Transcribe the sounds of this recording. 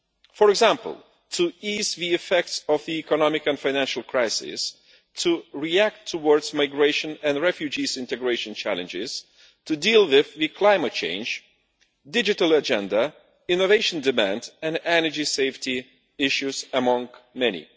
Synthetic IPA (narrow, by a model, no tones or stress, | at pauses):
fə˞ɨɡzæ̃mpə̰l̩ˠ | tʰɨizðiɨfɛk̚tsʌvðiikənɑmɪkɨ̃nfaɪnæ̃nʃl̩ˠkʰɹ̥aɪsɪ̰s | tʰuɹiæk̚tʰːəwɔɹdzmaɪɡɹeɪʃɨ̃nɨ̃nɹɛfjʉd͡ʒizɪ̃ntɨɡɹeɪʃɨ̃nt͡ʃʰæ̰lˠɨ̃nd͡ʒɪz̥ | tʰɨdilˠwɪðwɨkʰl̥ãɪmɨt̚t͡ʃʰḛ̃ɪ̃nd͡ʒ | dɪd͡ʒɨɾəl̩ˠəd͡ʒɛ̃ndə | ɪ̃noveɪʃə̃ndɨmæ̃ndɨ̃nɛnə˞d͡ʒiseɪfti | ɪʃʉzəmʌ̃ŋmɛnḭ